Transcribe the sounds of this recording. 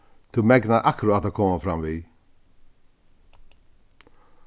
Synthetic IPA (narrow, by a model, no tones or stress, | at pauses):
t̪ʰumɛɡnaʔakʰɾʊat̪akʰɔmafɾamviː